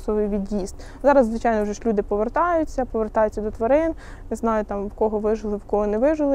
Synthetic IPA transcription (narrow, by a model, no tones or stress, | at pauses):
sɔʋɪjʋʲid̪jist̪ | zɑɾɐzzʋɪt͡ʃɑjnɔwʒɛʃlʲud̪ɪpɔʋert̪ɑjʊt͡sʲːɐpɔʋert̪ɑjʊt͡sʲːɐd̪ɔt̪ʋɔɾɪn | nɪznɑjʊt̪ɑmwkɔɦɔʋɪʒɪlˠɪwkɔɦɔnɛʋɪʒɪlˠɪ